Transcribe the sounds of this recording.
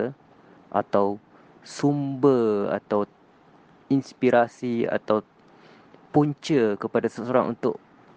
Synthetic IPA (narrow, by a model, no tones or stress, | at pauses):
ʔa̰t̪aw | sumbəa̰t̪aw | inspiɾasia̰t̪aw | puɲt͡ʃəkəpadasəsoɾa̰ŋʔṵnt̪ʊ̰ʔ